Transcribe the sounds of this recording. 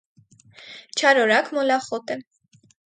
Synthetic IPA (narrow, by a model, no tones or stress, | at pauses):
t͡ʃʰɑɾɔɾakʰmɔlaχɔt̪ɛ